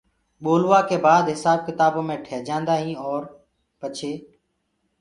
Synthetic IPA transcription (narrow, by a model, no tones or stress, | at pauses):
ɓoːlʋaːkeːbaːd̪ɦɪsaːb̚kɪt̪aːbõːmẽːʈʰeːd͡ʒãːnd̪aːɦĩːɔːɾ | pət͡ʃʰeː